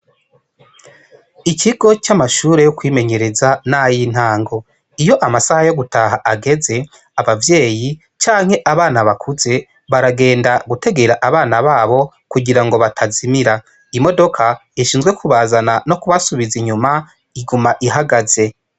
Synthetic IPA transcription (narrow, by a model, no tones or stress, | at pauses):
iciɡo̞t͡ʃamaʃuːɾe̞jokwiːme̞ɲe̞ɾe̞zanajin̥haːŋɡo̞ | ijo̞ʔamasahajo̞ɡutʰaɦaʔaɡe̞ze̞ | aβavje̞ːji | t͡ʃaːŋ̥he̞ʔaβaːnaβakʰuze̞ | βaɾaɡe̞ːndaɡutʰe̞ɡe̞ɾaʔaβaːnaβaːβo̞ | kuɟiɾaŋɡo̞βatʰazimiɾa | imo̞do̞kʰaiʃiːnzɡwe̞kʰuβazanano̞kuβasuβiziɲuma | iɡumaʔiɦaɡaze̞